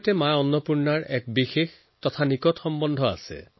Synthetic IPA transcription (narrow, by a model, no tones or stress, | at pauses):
tɛmajɔnːɔpuɹnaɹɛk̚bixex | tɔtʰanikɔtxɔmbɔndʱɔa̰sɛ̰